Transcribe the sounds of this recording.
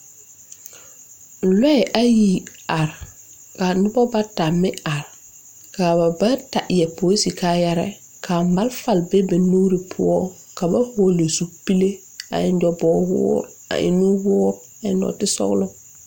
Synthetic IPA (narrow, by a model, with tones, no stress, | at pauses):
lɛ˦ɛ˨ʔa˦ji˨ | a˨ɾ | ka˨nʊ˦bɔ˦ba˦ta˨mɪ˦a˨ɾ | ka˨ba˨ba˦ta˨ʔjɛ˨po˨i˦si˨ka˦jɛ˦ɾɛ̰˦ | kʰa˨ma˦lfa˨lbe˦be˨nuː˦ɾi˨pʰʊ̰˦ɔ˦ | ka˨ba˦hʊ˨ɔ˨lo˨su˦pi˦le˦ | a̰˨ɪ˦nd͡ʒɔ˨bɔː˨˦wʊ̰˦ɔ˦ɾ | a̰˨ʔɪ̰˦nu˦wʊ˦ɾ | a˨ɪ˦nɔ̰˨tɪ˦sɔ̰˦ɣlʊ˦